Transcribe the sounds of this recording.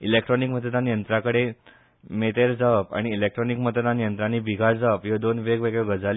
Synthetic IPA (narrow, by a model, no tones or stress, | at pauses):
ilekʈɾɔnikmət̪əd̪anjənt̪ɾakəɽe | met̪eɾd͡zapa̰ɽ̃iːlek̚ʈɾɔnikmət̪əd̪anjənt̪ɾanibiɡaɾd͡zapjod̪onʋeɡʋeɡɭeɡəd͡zal